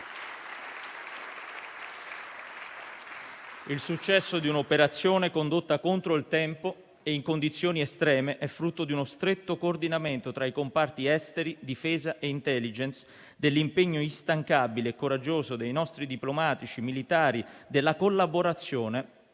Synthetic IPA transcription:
ilsut͡ʃːɛsːod̪iunopeɾat̪sːjoːnekond̪ot̪ːakont̪ɾoilt̪ɛmpo | eiŋkond̪it̪sːjoːniest̪ɾɛːmeʔɛfːɾut̪ːod̪iunost̪ɾet̪ːokoːrd̪inament̪ot̪ɾaikompart̪iɛst̪eɾid̪ifɛːzaʔeint̪ɛlːid͡ʒɛns | d̪elːimpeɲːoist̪aŋkabileːkːoɾad͡ʒːoːzod̪ejnɔst̪ɾid̪iplomaːt̪it͡ʃimilit̪aːɾid̪elːakolːaboɾat̪sːjoːne

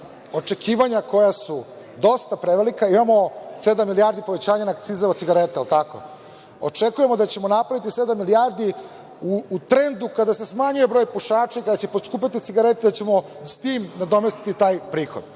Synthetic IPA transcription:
o̞t͡ʂe̞kʰiːʋaɲako̞jasu | d̪o̞st̪apɾeʋelikaimamo̞se̞d̪amːilijaɾd̪ipo̞ʋet͡ɕaːɲanaːk̚t̪siːzaosiɡaɾet̪eelˠt̪ako̰ | ot͡ʂekuje̞mo̞d̪at͡ɕe̞mo̞napɾaʋit̪ise̞d̪amːilijaːɾd̪i | uːt̪ɾend̪ukad̪ase̞smaɲujebɾo̞ːjpuʃaːt͡ʂaikad̪at͡ɕe̞pod̪skuːp̬ʲat̪it̪siɡaɾet̪ed̪at͡ɕe̞mo̞ | st̪iːmnad̪o̞mest̪i̥t̪it̪aːjpɾiːxod̪

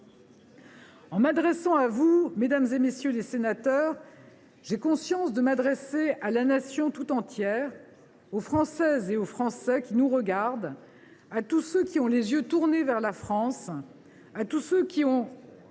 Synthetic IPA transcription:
ɑ̃mad̪ʁɛsɑ̃avumed̪amzemesjølesenat̪œʁ | ʒekɔ̃sjɑ̃sd̪əmad̪ʁɛsealanasjɔ̃t̪ut̪ɑ̃t̪jɛːʁ | ofχɑ̃sɛzeofχɑ̃sɛkʲinuʁəɡaʁd̪ | at̪usøkʲiɔ̃lezjøt̪uʁnevɛʁlafχɑ̃s | at̪usøkʲiɔ̃

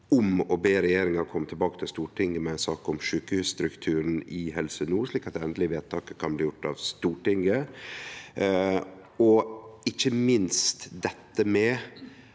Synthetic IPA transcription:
ɔmɔbeːɾɛjeːɾɪŋɑɾkʰɔmːət̪ʰɪlbɑːkə̥t̪ʰɪlst̪uːʈʰɪŋɡəmɛæɪnsɑːkɔmʃʉːkəhʉːsst̪ɾʉkt̪ʰʉːɾən̩ɪhɛlsənuːɾʂɭiːkɑt̪̚ɛɛnd̪lɪʋeːt̪ʰːɑːkəkʰɑnbliːjʊʈːɑʋst̪uːʈɪŋɡə | ɔɪçəmɪnst̪d̪ɛt̪ːəmɛ

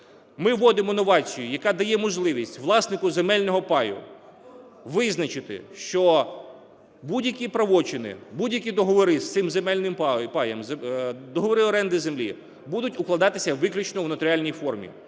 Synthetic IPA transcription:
mɪʋːɔd̪ɪmɔnɔʋɑt͡sʲijʊjɐkɑd̪ɐjɛmɔʒlˠɪʋʲisʲtʲʋlˠɑsnɪkʊzemɛlʲnɔɦɔpɑjʊ̰ | ʋɪznɐt͡ʃɪt̪ɪ̰ʃt͡ʃɔ | budʲjɐkʲipɾɐʋɔt͡ʃɪnɪ̰budʲjɐkʲid̪ɔɦɔʋɔɾɪst̪sɪmzemɛlʲnɪmppɑjɛmzd̪ɔɦɔʋɔɾɪɔɾɛnd̪ɪzemlʲi | bud̪ʊtʲʊklˠɐd̪ɑt̪ɪsʲɐʋɪklʲʊt͡ʃnɔwnɐt̪ɔɾʲɪɑlʲnʲijfɔrmʲḭ

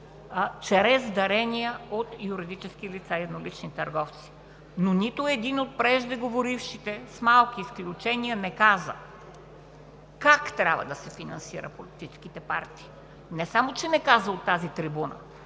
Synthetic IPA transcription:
t͡ʃɛɾɛzd̪ɐɾɛnijəot̪juɾid̪it͡ʃɛskilit̪saiɛd̪nolit͡ʃnit̪ɐɾɡɔft̪si̥ | nonit̪oɛd̪inot̪̚pɾɛʒd̪ɛɡovoɾifʃit̪ɛsmalˠkiːsklʲut͡ʃɛniənɛkazə | kakt̪ɾʲabəd̪ɐsɛfinɐ̰nsiɾə̰polit̪it͡ʃɛskit̪ɛpa̰ɾt̪i̥ː | nɛsamot͡ʃɛnɛkazəot̪ːazit̪ɾibunə̰

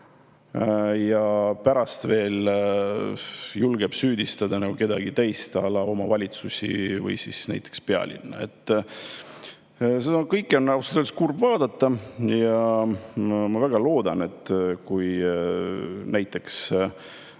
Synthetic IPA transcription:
jɑpæɾɑst̪ve̞ːl | julɡeb̥syːd̪ist̪ɑd̪̥ɑnɑɡuke̞d̪̥ɑɡit̪ejst̪ɑlɑo̞mɑvɑlʲit̪susʲḭvɤ̰jsisnæ̰jt̪ːˑekspeɑ̰lʲḭnːɑ̰e̞̰t̪ˑː | seɑkɤjkːˑeo̞nːɑwset̪ølskurbvɑːd̪ɑt̪ːɑjɑ | mɑvæɡ̥ɑloːd̪̥ɑne̞t̪ːˑkuj | næjt̪ːˑe̞ks

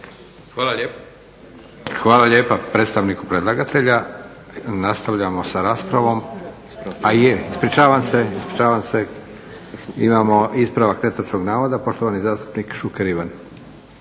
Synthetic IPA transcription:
al | xʋaːlaʎe̞ːpapɾet̪st̪aʋnikupɾed̪lˠaɡat̪ʰe̞ʎa | nast̪aʋʎamo̞saɾaːspɾaʋo̞m | ajeispɾit͡ʃaːʋamse̞ispɾit͡ʃaːʋamse | imaːmo̞ispɾaʋakne̞t̪ot͡ʃkoɡnaːʋod̪apo̞ʃt̪o̞ʋanizaːst̪u̥pnikʃukeɾiʋan

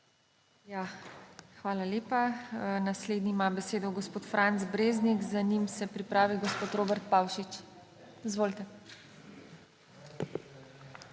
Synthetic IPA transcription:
ja | xʋaːlaleːpanasleːd̪niːmabɛseːd̪ɔɡɔspoːt̪fɾʔant̪zbɾeːznikzanimsɛpɾipɾaːʋiɡɔspoːt̪ɾoːbɛɾt̪̚paːwʃit͡ʃ | izʋoːlt̪ɛ

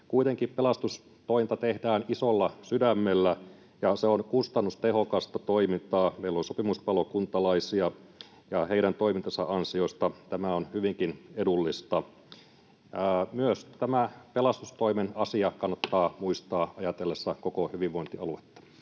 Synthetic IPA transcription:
kuit̪eŋkippelɑst̪us | t̪oimint̪ɑt̪ehdæːnisolːɑsydæmːelːæ | jɑseonkust̪ɑnːust̪eɦo̞kɑst̪ɑt̪oimint̪ɑːmeilːonsopimuspɑlokunt̪ɑlɑisiɑ | jɑheiɾænt̪o̞imint̪ɑsɑʔɑnsio̞st̪ɑt̪æmæonhyʋiŋkinedulːist̪ɑ | myøst̪æmæpelɑst̪ust̪oimenɑsiɑkɑnːɑt̪ːɑːmuist̪ɑːɑjɑt̪elːesːɑkokohyʋiʋʋo̞int̪iɑ̰luet̪ːɑ̥

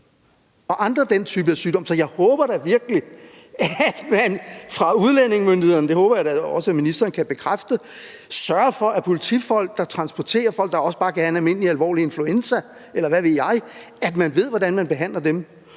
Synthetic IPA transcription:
ɒ̽ʔɑ̈nd̥ʁɐd̥ent͡sʰyːb̥əæsyːdɒ̽m̰sɒ̽jɑ̈ɪhɔ̽ːb̥ɐɾ̥ɑʋiɐɡ̥əli | æd̥mænfʁɑ̈uð̞ˠlene̝ŋmønd̥ihe̝ðˠɐnəd̥e̝hɔːb̥ɐjadæɒ̽səæminisd̥ɐːnəkʰæb̥e̝kʰʁafd̥əsɶɐɐfɒ̽ʔæpʰo̝lit͡sʰifɒ̽l̰ɡ̥̚d̥ɑ̈t͡sʰʁɑ̈nsb̥ɒt͡sʰe̝̰ːɐfɒ̽l̰ɡ̥d̥ɑ̈ɒ̽səb̥ɑ̈ːkʰæhænælme̝n̰liælʋɒ̰ːlie̝nfluensæ | elɐʋæʋe̝ð̰ˠjɑ̈ɪ | æd̥mænʋe̝ð̞̰ˠʋɒɾænmænb̥e̝ɦæn̰lɐdem

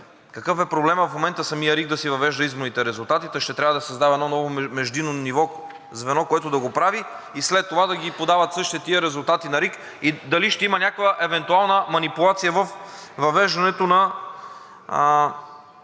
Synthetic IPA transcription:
kɐkɤfɛpɾoblɛməfmomɛnt̪əsɐmijəɾik̚d̪ɐsivɐvɛʒd̪əizmonit̪ɛɾɛzulˠt̪at̪it̪ɛʃt̪ɛt̪ɾʲavəd̪ɐsɐzd̪avɐɛd̪nɔnɔvomɛʒd̪inonivɔ | zvɛnɔkoɛt̪ʊd̪ɐɡopɾavi | islɛt̪ːovad̪ɐɡʲipod̪avɐt̪sɤʃt̪it̪ɛt̪iəɾɛzulˠt̪at̪inɐɾik | id̪ɐliʃt̪ɛimɐnʲakvəʔɛvɛnt̪ualˠnəmɐnipulˠat̪sijəvəfvɐvɛʒd̪ɐnɛt̪onɐ

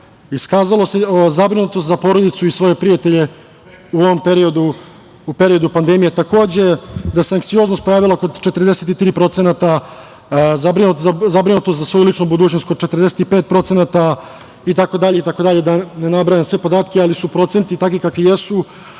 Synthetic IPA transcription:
iskaːzalˠo̞seozabɾinut̪ost̪zapo̞ɾo̞d̪it̪suisʋo̞je̞pɾijat̪e̞ʎe̞ | uo̞ʋo̞mpeɾio̞d̪uː | pe̞ɾio̞d̪upand̪e̞mijet̪ako̞ːd͡ʑe̞d̪aseaŋksijo̞znost̪̚po̞jaːʋilako̞d̪t͡ʃe̞t̪ər̩d̪e̞set̪it̪ɾiːpɾo̞t̪se̞nat̪a | zabɾinut̪azabɾinut̪ost̪zasʋo̞julˠit͡ʂnubud̪uːt͡ɕnost̪̚ko̞d̪t͡ʃet̪rd̪e̞se̥t̪ipeːt̪̚pɾo̞t̪se̞nat̪a | it̪ako̞d̪aʎe̞it̪ako̞d̪aʎed̪anenabɾajemsʋe̞po̞d̪aːt̪kʲealisupɾo̞t̪se̞nt̪it̪akʋikakʋijesu

